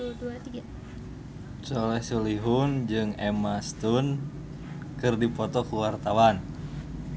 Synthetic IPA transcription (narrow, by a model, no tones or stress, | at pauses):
duat̪iɡa | t͡ʃɔlɛhsuliɦund͡ʒɨŋɛmast̪un | kɨrdipɔt̪ɔkuwart̪awan